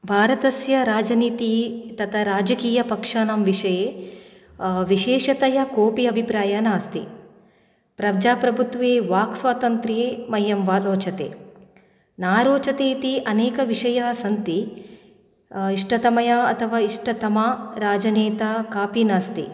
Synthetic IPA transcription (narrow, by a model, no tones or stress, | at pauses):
bʱaːɾɐt̪ɐsjɐɾaːd͡ʒɐniːt̪it̪ɐt̪ʰɐɾaːd͡ʒɐkiːjɐpɐkʂaːnɐmʋiʂɐjeː | ʋiʃeːʂɐt̪ɐjɐkoːpiɐbʱipɾaːjɐnaːst̪ḭ | pɾɐbd͡ʒaːpɾɐbʱut̪ʋeːʋaːksʋaːt̪ɐnt̪ɾeːmɐjɐmʋaɾoːt͡ʃɐt̪ḛː | naːɾoːt͡ʃɐt̪eːt̪iʔɐneːkɐʋiʂɐjɐsɐnt̪i | iʂʈɐt̪ɐmɐjaɐt̪ʰɐʋaːiʂʈɐt̪ɐmaːɾaːd͡ʒɐneːt̪ɐkaːpinaːst̪ḭ